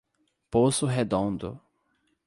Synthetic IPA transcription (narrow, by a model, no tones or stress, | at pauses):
posʊɦed̪õnd̪ʊ̰